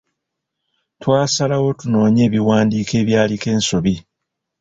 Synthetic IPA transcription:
twaːsalawo̞tuno̞ːɲe̞ːβiwaːndiːke̞ːβjaːlike̞ːnso̞βi

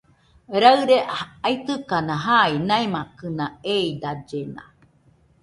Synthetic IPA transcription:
ɾaɨɾeait̪ɨkanaɦainaemakɯnaeid̪ad͡ʒena̰

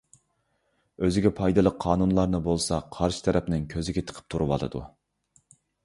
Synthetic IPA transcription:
øzɪɡʲɛpʰɑjd̪ɨlˠəqʰːɑːnunlˠɑɾnɨbolˠsɑqʰɑɾʃɪ̥t̪ʰɛɾʔɛpnɪŋkʲʰøzɪɡʲɛt̪ʰə̥qʰə̥p̚t̪ʰuɾɨwɑ̰lˠɨ̰d̪u

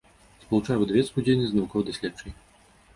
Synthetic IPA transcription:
spɔlˠut͡ʂajɛvɨd̪ɐvʲɛt̪skud͡zʲejnʲɨznɐvukɔvɐd̪ɐsʲlʲatt͡ʂɐj

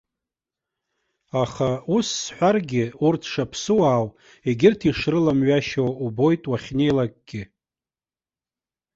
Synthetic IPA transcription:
aχausːħʷarɡʲɪurtʰʂapʰsɨwaːw | eɡʲɪrtʰiʂrɨlamɥaʃowubo̞jtʼwaχʲne̞jlakʼɡ̥ʲɪ

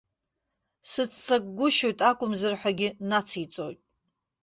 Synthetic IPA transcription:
sɨt͡sʰt͡sʼak̚ʼɡʷʊʃojtʼakʷʼʊmzɨrħʷaɡʲɪnat͡sʰit͡sʼo̰jtʼ

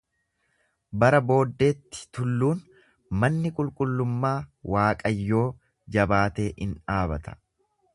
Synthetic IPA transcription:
bɐɾɐbo̞ːd̪ːe̞ːt̪ːɪ̥t̪ʊlːuːn | mɐnːɪkʼʊlkʼʊlːʊmːaːwaːkʼɐjːo̞ː | d͡ʒɐbaːt̪e̞ːʔɪnᶑaːbɐt̪ɐ̥

